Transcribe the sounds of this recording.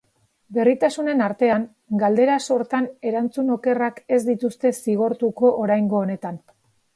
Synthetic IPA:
be̞rit̪asune̞naɾt̪e̞aŋ | ɡald̪e̞ɾaso̞ɾt̪ane̞ɾant͡suno̞ke̞rake̞zd̪it̪ust̪e̞siɣ̞o̞ɾt̪uko̞ʔoɾajŋɡo̞ːne̞t̪an

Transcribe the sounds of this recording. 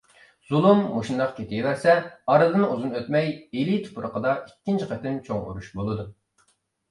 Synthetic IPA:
z̥ulˠumːoʃund̪ɑqkʲʰet̪ʰɪjevæɾsɛɑɾɨd̪ɨnuzunøt̪mɛjelit̪ʰpʰuɾəqʰəd̪ɑikʲːint͡ʃʰiqʰɛt̪ɪnt͡ʃʰoŋṵɾuʃbolˠɨd̪u

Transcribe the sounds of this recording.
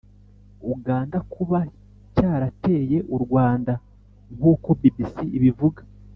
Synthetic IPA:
uɡaːndakʰuβa | caːɾate̞ːje̞ʔuɾɡwaːnda | ŋ̥uːko̞bibisiʔiβivuɡḁ

